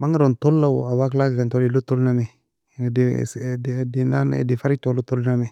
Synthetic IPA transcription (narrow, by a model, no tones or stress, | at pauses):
maŋiɾontolːawawaklakkantolilutolnane | desdenan̰difaɾitolutolnani